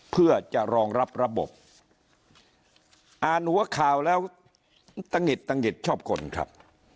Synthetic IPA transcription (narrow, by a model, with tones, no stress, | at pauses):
pʰɯ˥˩ɐt͡ɕa˨˩ʔɾɔː˧ŋɾa˦˥p̚ɾa˧bo̰˨˩p̚ | ʔaː˨˩nhu˨˩˦ɐkʰaː˨˩wlɛː˦˥w | t̪a˧ŋːe˨˩t̪ːa˧ŋe˨˩t̪̚t͡ɕʰɔː˥˩p̚kʰo̰˧nkʰɾa̰˦˥p̚